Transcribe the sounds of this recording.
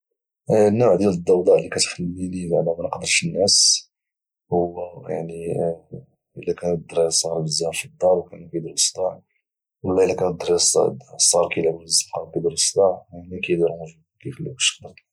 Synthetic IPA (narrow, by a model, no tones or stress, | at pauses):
nːʊʕd̪jæləd̪ˤːɑwd̪ˤɑʕlːikæt̪xəlːinibaʕd̪æmænqd̪əɾˤʃənːæs | hʊwːæja̰ʕni | əlːækænd̪ɾisˤɣɾˤbəzːæfid̪ˤːɑɾˤwkænkæjd̪iɾsd̪ɑʕ | wəlːɑəlːækænd̪ːɾissˤːɑɾˤkijlbzəmqɑkæd̪iɾsd̪ɑʕnækæjd̪iɾmuʒu | kifəlːukʃqd̪əɾˤt̪